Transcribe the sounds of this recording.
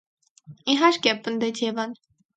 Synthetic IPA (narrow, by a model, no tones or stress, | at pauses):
iɦɑɾkɛpːənd̪ɛt͡sʰjɛvɑn